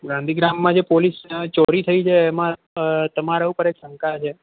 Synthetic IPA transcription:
ɡãnd̪ʱiɡɾamːãd͡ʒepolist͡ʃɔɾit̪ʰəit͡ʃʰeːmã | t̪əmaɾaupəɾeksə̃ŋkat͡ʃʰe

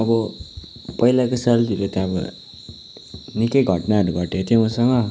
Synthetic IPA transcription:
ʌbʌ | pʌilakosʌlt̪iɾot̪jãʌbʌ̰ | nikʌjɡʱʌʈnaʌɾubʱʌʈjot̪ʰjowʌ̃sʌŋʌ

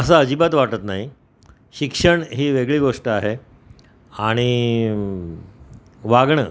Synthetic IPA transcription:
əs̬aəd͡ʑibat̪ʋaʈət̪na̰ɦi | ɕikʂəɳɦiːʋeɡɭiːɡoʂʈəaɦe | aɽ̃i | ʋaɡɳə

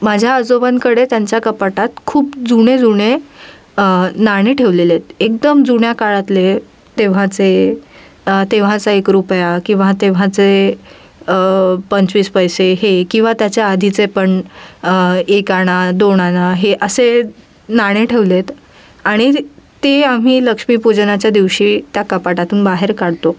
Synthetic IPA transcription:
mad͡ʑʱjaəd͡zoʋankəɽet̪jaɲt͡ɕjakəpaʈat̪̚kʰuːpd͡zuɽ̃ed͡zuɽ̃e | naɽ̃eʈʰeʋlelet̪̚ek̚d̪əmd͡zuɳjakaɭat̪le | t̪eʋ̤ãt͡se | t̪eʋ̤ãt͡saekɾupjakĩw̃ʋat̪eʋ̤ãt͡se | pəɲt͡sʋiːspəjseɦekĩw̃ʋat̪jat͡ɕjaad̪ʱit͡sepəɳ | ekaɽ̃ad̪oɽ̃anaɦeʔəse | naɽ̃eʈʰeʋlet̪ | aɽ̃it̪eam̤iːləkʂmiːpud͡ʑnat͡ɕjad̪iʋɕiːt̪jakəpaʈat̪uːnbaɦeɾkaɽt̪o

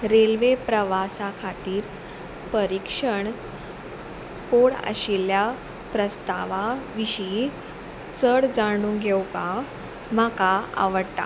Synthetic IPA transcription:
ɾelʋepɾəʋasakʰat̪iːɾ | pəɾikʂəɳ | koɽə̰ɕilja | pɾəst̪aʋaʋiɕi | t͡səɽd͡zaɽ̃ũɡʱɛwka | m̤akaa̰ʋəɽt̪a̰

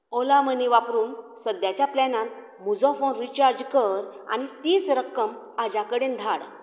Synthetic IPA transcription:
ɔlaməniʋapɾuːnsəd̪jat͡ɕjaplɛnãt̪ | mud͡zɔ̃fonɾit͡ɕaɾd͡ʑkəɾa̰ñit̪iːsɾəkːəm | ad͡ʑakəɽend̪ʱaɽ

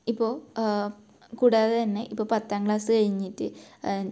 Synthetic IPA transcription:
ipːo̞ː | kuːɽaːðɐt̪ɐnːe̞ʔipːo̞ːpɐt̪ːaːŋɡɭaːsɨkɐɻiɲːiʈːɨ

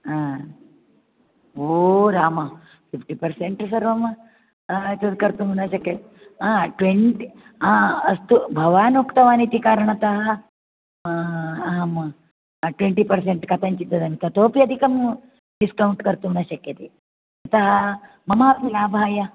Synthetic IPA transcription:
aː | oɾaːmɐ | pipʈipɐɾseɳʈsɐɾʋɐmɐ | t̪ɐd̪kɐɾt̪uɦunɐʃɐkjɐt̪e | aʈʋeɳʈi | aːɐst̪ubʱɐʋaːnokt̪ɐʋaːnit̪ikaːɾɐɳɐt̪ɐɦɐ | ɦɐmɐ | ʈʋeɳʈipɐɾs̬eɳʈkɐt̪ʰɐɲt͡ʃit̪ːɐd̪ɐmit̪ɐt̪oːpijɐd̪ʱikɐm | ɖiskɐwuɳʈkɐɾt̪uunɐʃɐkjɐt̪e | ɐt̪ɐɦɐ | mɐmaːpmilaːbʱaːjɐ

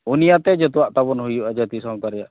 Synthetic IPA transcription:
unijat̪ɛd͡ʒɛt̪uwaʔt̪abɔnɦujuʔad͡ʒat̪isaŋt̪aɾɛjaʔ

